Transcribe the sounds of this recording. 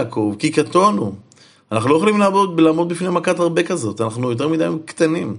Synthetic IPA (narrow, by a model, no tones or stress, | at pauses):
ko̞vkikat̪onu | anaχnulojeχolimlaːbo̞d̪̚belaːmo̞d̪̚bifnemakat̪aʁbe̞kazo̞t̪anaχnujo̞t̬e̞ʁmid̪ajimkt̪anim